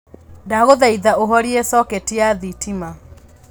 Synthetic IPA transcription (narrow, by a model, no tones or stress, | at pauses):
daɣoðaiðaoɦɔɾiesɔkɛtijaðitʰima